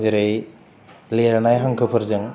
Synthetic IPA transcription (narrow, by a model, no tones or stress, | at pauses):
eɾej | leɾanajɦaŋkʰɯpʰɯɾzɯŋ